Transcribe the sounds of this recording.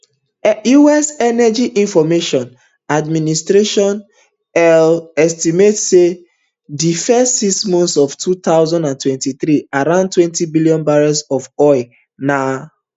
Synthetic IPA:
juɛsɛnɛd͡ʒiʔĩnfɔmeʃɔ̃n | administɾeʃɔ̃n | ɛlɛstimetse | difɛstːismɔ̃nsɔftʰut̪aʊzãndãntwɛ̃ntiθɾiaɾãʊ̃nd̚twɛ̃ntibiliɔ̃nbaɹɔsɔfɔɪ | na

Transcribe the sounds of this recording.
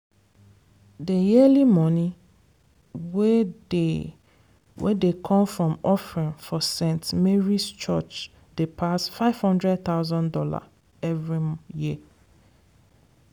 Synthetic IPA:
dejɛlimɔ̃nĩ | wee | wʔɛ̰dekʰɔ̃mfɹɔ̃mɔfɹĩnfɔsɛ̃ntmeɹist͡ʃɔt͡ʃ | d̥epʰasfaɪv̥hɔ̃ndɹɛd̚θaʊzɔ̃ndɔla̰ | ɛvɹijiə

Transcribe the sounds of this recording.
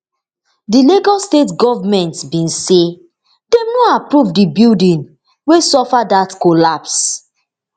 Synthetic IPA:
dileɡɔstetɡɔvamɛ̃ntbĩnse | demnoapɹuvdibildĩn | wesɔfadatkolaps

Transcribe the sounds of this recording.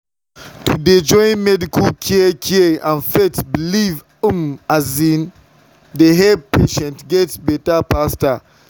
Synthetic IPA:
tuded͡ʒɔ̃ɪ̃nmɛdikəlkʰɛkʰɛãnfetbiliv | əmazĩn | dəɦɛpʰeʃɛ̃ntɡɛtsbɛtapastə

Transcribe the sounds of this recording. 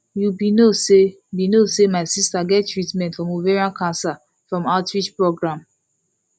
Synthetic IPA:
jubinose | binosemaɪsistaɡɛttːɹitmɛ̃ntfɹɔ̃muveɹiãnkãnsa | fɹɔ̃maʊtɹit͡ʃpɹoɡɹãm

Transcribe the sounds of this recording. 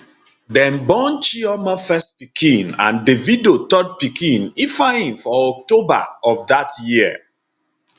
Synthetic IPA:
dɛ̃nbɔ̃nt͡ʃiɔmafɛstpikʰĩnã̰ndevidotɔd̚pikĩnifahĩmfɔɔk̚toba̰ɔfdatjiə

